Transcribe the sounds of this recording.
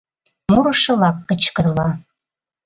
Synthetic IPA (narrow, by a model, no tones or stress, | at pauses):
muɾɤ̆ʃɤ̆lɑkːə̆t͡ɕkə̆rlɑ